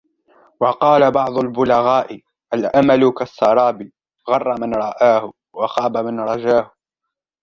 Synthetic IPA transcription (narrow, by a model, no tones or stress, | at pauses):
wɑqɑːlabɑʕd̪ˤʊlbʊlaɣaːʔɪ | ʔalʔamalʊkasˤːɑɾˤɑːbɪ | ɣɑrˤːɑmanɾˤɑʔaːhʊ | wɑxɑːbamanɾˤɑd͡ʒaːhʊ